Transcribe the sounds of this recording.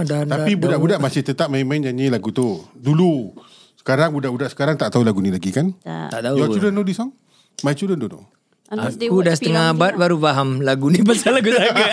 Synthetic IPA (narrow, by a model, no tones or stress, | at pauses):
dat̪apibudaʔbudaʔmasɪht̪ət̪ap̚majmand͡ʒaɲilaɡut̪udulu | sə̥kaɾaŋbudaʔbudaʔsə̥kaɾaŋt̪aʔt̪aulaɡunilaɡikant̪a̰ʔt̪aujɔt͡ʃudənodisɔŋ | mait͡ʃudəndono̰ | akudasə̥t̪əŋaabat̪̚baɾufaɦamlaɡunibasalaɡusaɡa